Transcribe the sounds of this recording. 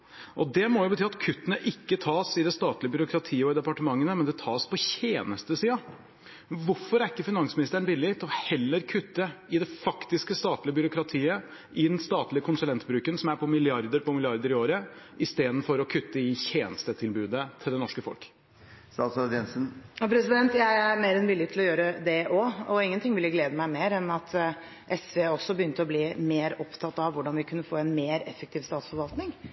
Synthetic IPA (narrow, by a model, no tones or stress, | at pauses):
ʔɔd̪ɛmɔjʊbət̪ʰyːɑt̪kʰʉt̪ːənəʔɪkːət̪ʰɑːsɪd̪ɛst̪ɑːt̪lɪəbʏɾʊkʰɾɑt̪ʰiːəɔɪd̪ɛpɑʈəmɑŋːənəmɛnd̪ɛt̪ʰɑːspʰɔçeːnəst̪əsiːɑ | ʋʊɾfɔɾæɾɪkːəfɪnɑŋsmɪnɪst̪əɾɛnbɪlːɪt̪ʰɔhɛlːəɾkʰʉt̪ːəɪd̪ɛfɑkt̪ɪskəst̪ɑːt̪lɪəbʏɾʊkɾɑt̪ʰiːə | ɪnst̪ɑːt̪lɪəkʰʊnsʉlɛnt̪bɾʉːkənsɔmæɾpʰɔmɪlɪɑɾd̪əɾpʰɔmɪlɪɑɾd̪əɾɪoːɾəɪst̪eːd̪n̩fɔɾɔkʰʉt̪ːəɪçeːnst̪ət̪ʰɪlbʉːd̪ət̪ʰɪld̪ɛnɔʂkəfɔ̰lk | st̪ɑːt̪sɑd̪ɛnsənjɑpʰɾɛsɪd̪ɛnt̪jæɪæɾmeːɾɛnʋɪljət̪ʰl̩ɔjøːɾəd̪ɛʔɔɔɪŋːənt̪ɪŋːʋɪlːəɡleːd̪əmæɪmeːɾɛnɑt̪ʰ | ʔɛsʋeɔsːɔbəjʏnt̪əɔbliːmeːɾɔpt̪ʰɑt̪ːɑʋʋʊɖɑnʋɪkʰʉnːəfoːɛnmeːɾɛfːəkt̪ʰiːʋst̪ɑːt̪sfɔɾʋɑlt̪nɪŋ